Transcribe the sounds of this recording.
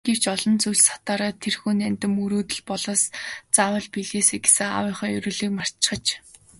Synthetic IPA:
ɡ̥ew̥t͡ɕɔɮɞ̆nt͡sujɮsḁt̪aːɾaːt̪ʰːerxuːnænʲt̪ɘ̆muɾuːt̪ɘ̆ɮpɔɮɔ̆ːst͡sawə̆ɮpiɮeːseːɡe̥sɘ̆ŋa̰wʊ̆ːχœːjɵ̰ɾɵ̆ːɮiːk̚mar̥t̪t͡ɕχə̆t͡ɕ

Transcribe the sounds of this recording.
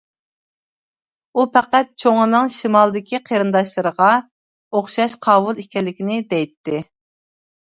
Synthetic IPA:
upæqæt̪̚t͡ʃʰoŋɨnɨŋʃimɑlˠd̪ɪkʲʰiqʰeɾɨnd̪ɑʃlˠɨɾəʁɑ | oχʃɑʃqʰɑːbulˠikʲɛlːɪkʲinɪd̪ɛjt̪ːɪ

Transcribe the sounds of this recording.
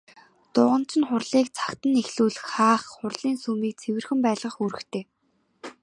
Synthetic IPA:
t̪ʊːʁə̆n̥t͡ɕʰɪ̆nχʊrɮiːk̚t͡sʰḁkt̪ə̆nexɮuːɮɘ̆xχaːχχʊrɮiːnsuːmiːk̚t͡sʰewɘ̆rxɘ̆mpæːɮʁə̆χuɾɘ̆xt̪ʰeː

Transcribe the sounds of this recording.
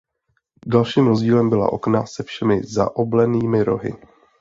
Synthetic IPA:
dalʃiːmɾozɟiːlɛmbɪla̰ʔo̞̰knasɛfʃɛmɪza̰ʔoblɛniːmɪɾo̞̰ɦɪ̰

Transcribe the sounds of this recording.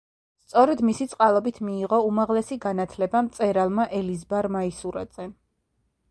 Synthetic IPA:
st̪sʼɔɾɛd̪misit̪sʼqʼalˠɔbit̪ʰmiːʁɔumaʁlɛsiɡanat̪ʰlɛbamt̪sʼɛɾalˠmaʔɛlizbaɾmaisuɾa̰d̪z̥ɛ

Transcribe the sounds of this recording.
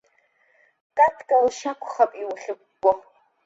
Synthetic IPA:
kʼatʰkʼalʃakʷʰχapʼiwχʲɪkʷːʼɔ

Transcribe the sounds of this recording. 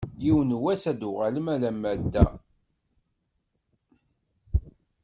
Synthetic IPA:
jiwənwæsæd̪ʊʁaləmælæmːæd̪ːæ̰

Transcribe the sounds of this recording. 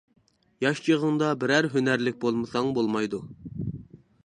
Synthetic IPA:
jɑʃt͡ʃʰiʁəŋd̪ɑbɪɾæɾɦønæɾlɪk̚ʲbolˠmɨsɑŋbolˠmɑjd̪u

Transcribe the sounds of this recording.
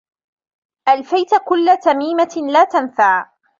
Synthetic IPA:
ʔalfajt̪kʊlːat̪amiːmalaːt̪anfaʕ

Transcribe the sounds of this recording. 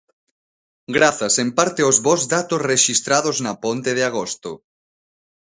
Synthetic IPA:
ɡɾaθasempaɾt̪eozβozðat̪osreʃist̪ɾað̞oznɐpont̪eð̞eaɣ̞ost̪o

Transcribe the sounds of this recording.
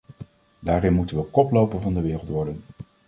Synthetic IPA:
daːɾɪnmutənʋəkɔplowpənvɑndəʋɪːrəlˠtʋɔɹdən

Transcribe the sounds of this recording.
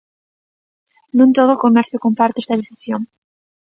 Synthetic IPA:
nũnt̪oðokomeɾθjokompaɾt̪eest̪aðifiθjon

